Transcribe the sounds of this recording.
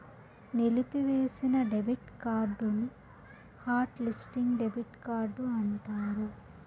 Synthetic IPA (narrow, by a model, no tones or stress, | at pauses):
nelipiʋeːsinɐɖebiʈkaːɾɖuni | haːɾʈlisʈiŋɡɖebiʈkaːɾɖːuɐɳʈaːɾu